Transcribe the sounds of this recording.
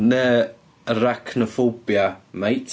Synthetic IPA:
nəː | əɾakʰnɔfobjamajtʰ

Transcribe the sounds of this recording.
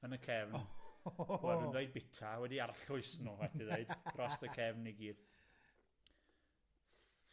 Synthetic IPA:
ənəkʰɛvn | ɛədeɨd̚bɪtʰawɛdiarɬʊɨsnuvɛtiðeɨd̥rɔstəkʰɛvniɡiːd̥

